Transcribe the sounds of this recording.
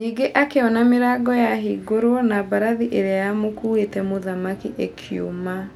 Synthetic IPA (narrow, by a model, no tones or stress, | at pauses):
niɡeʔakeɔnameɾaːɡɔjaɦiːɡoɾwɔnabaɾaðiʔeɾeajamokuetɛmoðamakiʔekʰjo̰ma